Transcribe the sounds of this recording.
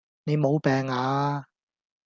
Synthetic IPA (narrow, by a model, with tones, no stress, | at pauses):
ne˨˧jmo˨˧wpɛː˨ŋaː˨˧